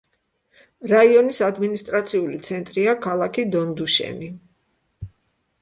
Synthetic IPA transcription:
ɾaiɔnisad̪minist̪ʼɾat̪sʰiulit̪sʰɛnt̪ʼɾiakʰalˠakʰid̪ɔnd̪uʃɛ̰ni

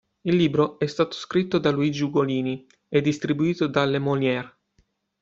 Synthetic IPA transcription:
ilːiːbɾoɛst̪aːt̪o̥skɾit̪ːod̪aluid͡ʒuɡoliːni | ɛd̪ːist̪ɾibuiːt̪od̪alːemoljɛr

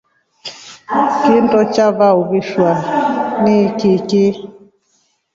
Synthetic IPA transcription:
kɪntʼɔt͡ʃaβaoɣɪʃwanɪkɪkɪ

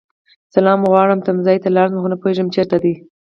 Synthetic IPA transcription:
salɑmɣwɑɽəmt̪amzɑjt̪alɑɾzmxonəpoeʒəmt͡ʃeɾt̪ad̪i

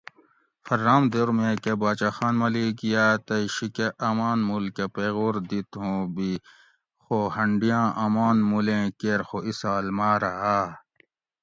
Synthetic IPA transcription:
fɐɾːaːmd̪eːɾmẽkebaːt͡ɕaːxaːnmɐliɡijaːt̪ɐiɕikeʔɐmaːnmulkepeːɣoːɾd̪it̪ɦõːbi | xohɐɳɖijãːʔɐmaːnmulẽːkeːɾxoisaːlmaːɾɐɦa

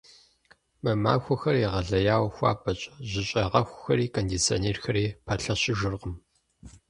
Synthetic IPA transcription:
mɐma̰ːxʷʊxɐriʁɐɮɐjaːwxʷɑ̰ːpʰʼɐt͡ʃʼʑɪɕʼɐʁɐxʷʊxɐɾiːkʰondit͡sʰo̰neːrxɐɾiːpʰaːɬɐɕɪʒʷʊrqəm

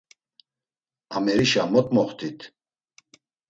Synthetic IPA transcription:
amɛɾiʃamɔt̪ʼmɔχt̪ʰit̪ʰ

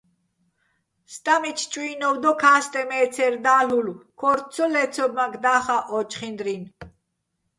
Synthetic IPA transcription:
st̪ʼamit͡ʃʰt͡ʃʼwuiːnɔwd̪ɔkʰaːst̪ʼɛmɛːt͡sʰɛɾd̪aːlulkʰɔɾt̪t͡sʰɔlɛt͡sʰɔb̚maɡd̪aːχaʔɔt͡ʃʼχind̪ɾin

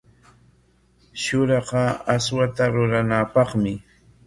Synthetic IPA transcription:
ʃʊɾɑqɑaswat̪aɾʊɾanapɑχmɪ

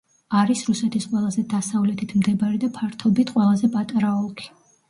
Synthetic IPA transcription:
aɾisɾusɛt̪ʰisqʼwɛlˠazɛd̪asavlɛt̪ʰit̪ʰmd̪ɛbaɾid̪apʰaɾt̪ʰɔbit̪ʰqʼwɛlˠazɛpʼat̪ʼaɾaɔkʼi̥

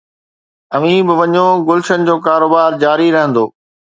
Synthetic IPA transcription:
ɐʋĩːbɪʋɐɲoɡʊlɪʃənɪ̆d͡ʑoːkaːɾoːbaːɾd͡ʑaːɾiɾɐɦə̃nd̪oː

